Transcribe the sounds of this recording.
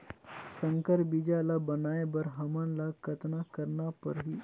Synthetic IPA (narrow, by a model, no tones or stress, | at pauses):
səŋkəɾbid͡ʒalabənaebəɾɦəmənlakət̪nakəɾnapə̰ɾɦiː